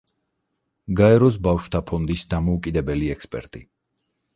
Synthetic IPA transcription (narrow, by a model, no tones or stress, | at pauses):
ɡaɛɾɔs̬bafʃt̪ʰapʰɔnd̪isd̪amɔukʼid̪ɛbɛliɛkspʼɛ̰ɾt̪ʼi